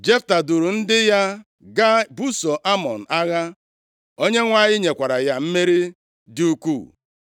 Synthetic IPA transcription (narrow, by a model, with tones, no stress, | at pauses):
d͡ʒe˦fta˨du˨ɾu˨n̩˦dɪ˦ja˦ | ɡa˦bu˦so˨ʔa˦mɔ˨n̩˨a˦ɣa˦ | o˦ɲe˦ŋʷa˦˨ɲɪ˦ɲe˨kʷa˨ɾa˨ja˦m̩˦me˦ɾi˦ | di˦u˦kṵ˦˨